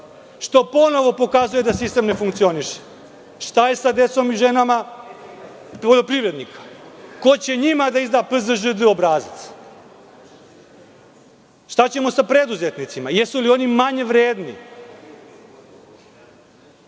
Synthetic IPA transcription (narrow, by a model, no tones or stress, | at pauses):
ʃt̪o̞po̞no̞ʋo̞po̞kazuje̞d̪asist̪emne̞fuŋkt̪sio̞niʃe̥ | ʃt̪aje̞sad̪e̞t̪so̞miʒe̞nama | poʎo̞pɾiʋɾe̞d̪nikḁko̞t͡ɕe̞ɲimad̪aizd̪aːpɨzəʒɨd̪ɨo̞bɾaːzit̪s | ʃt̪at͡ɕe̞mo̞sapɾe̞d̪uze̞t̪nit̪simajesulio̞nimaɲe̞ʋɾeːd̪nḭ